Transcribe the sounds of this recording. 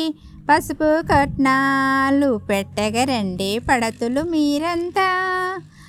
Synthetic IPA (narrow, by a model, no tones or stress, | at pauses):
pɐsupukɐʈnalupeʈːɐɡɐɾɐɳɖipɐɽɐt̪ulumiːɾɐnt̪aː